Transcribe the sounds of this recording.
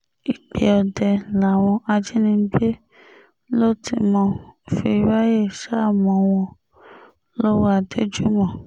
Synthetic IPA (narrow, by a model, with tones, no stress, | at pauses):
i˨k͡pe˨ɔ˧dɛ˨la˨w̃ɔ̃˧a˧d͡ʒi˦nĩ˧˦ɡ͡be˦ | lo˦tḭ˧mɔ̃˧fi˧i˧˦ba˦je˦˨ʃa˦˨mɔ̃˨˧˦w̃ɔ̃˧ | lɔ˦wa˧de˦d͡ʒu˦mɔ̃˦˨